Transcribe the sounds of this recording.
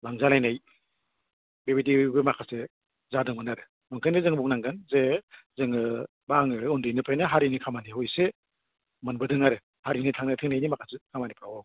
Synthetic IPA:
laŋzalajnaj | bebidibɯmakʰase | zadɯŋmɯnaɾɯ | nɔŋkʰɯnizɯŋbɔk̚naŋɡɯnzezɯŋɯ | baŋɯɾɯɔndɯjnɯpʰajnɯɦaɾinikʰamanihɔjse | mɯnbɯdɯŋaɾɯ | haɾinitʰaŋnatʰɯŋnajnimakʰasɯkʰamanipʰɾawɔ

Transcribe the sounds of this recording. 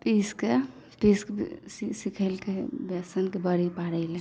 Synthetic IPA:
ʈiske | ʈisksisikʰəlkebjasənkebəɾipaɽɛɪle

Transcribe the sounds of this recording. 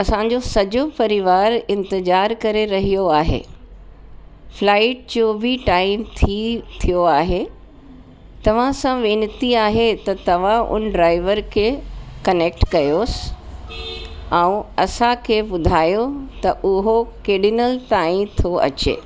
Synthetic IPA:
ɐsãːɲd͡ʑosɐd͡ʑopɐɾɪʋaːɾɪ̃nt̪ɪzaːɾkɐɾeɾɐɦijoaːɦḛː | flaːɪʈ̚d͡ʑoːbʱɪʈaːɪmt̪ʰit̪ʰijoaːɦe | t̪ɐʋ̤ãsãʋẽːnɪt̪iaːɦet̪ɐt̪ɐʋ̤ãʔʊ̰n̆ɖɾaːɪʋəɾkʰeːkɐnek̚ʈkɐjoːsɪ̥ | ɛ̃ɐsãkʰeːbʊd̪ʱaːjot̪ɐʔʊɦokeːɖɪnəlt̪aːĩt̪ʰoɐ̰t͡ɕḛː

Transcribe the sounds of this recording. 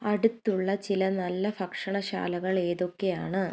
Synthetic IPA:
ɐɽut̪ːuɭːɐt͡ɕilɐnɐlːɐfɐkʂɐɳɐɕa̰ːlɐɣɐɭe̞ːðokːe̞ja̰ːɳɨ

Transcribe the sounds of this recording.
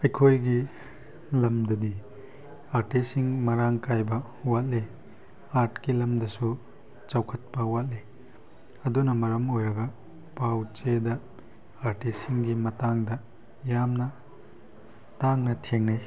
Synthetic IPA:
ɐjkʰojɡi | lɐmdɐdi | aɾtesiŋmɐɾaŋkajbɐ | wat̚li | aɾtkilɐmdɐsu | t͡ʃawkʰɐt̚pɐwat̚li | ɐdunɐmɐɾɐmojɾɐɡɐ | pawt͡ʃedɐ | aɾtesiŋɡimɐtaŋdɐ | jamnɐ | taŋnɐtʰeŋnɐj

